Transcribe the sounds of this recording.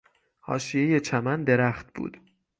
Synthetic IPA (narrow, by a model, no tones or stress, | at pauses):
hɒ̰ːʃije̞je̞t͡ʃʰæmænd̪e̞ɾæχt̪̚b̥ṵːd̪̥